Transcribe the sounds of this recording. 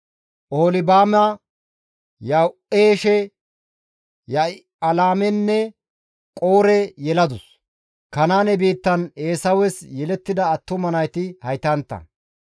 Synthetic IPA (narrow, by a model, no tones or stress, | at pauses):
ʔoːlɪbaːmɐ | jɐwʔeːʃɛ | jɐ | ɐlaːmɛnːɛ | kʼo̞ːɾɛjɛlɐd̪ʊs | kɐnaːnɛbiːt̪ːɐneːsɐwɛsjɛlɛt̪ːɪd̪ɐːt̪ːʊmɐnɐjt̪ɪhɐjt̪ɐnt̪ːɐ̰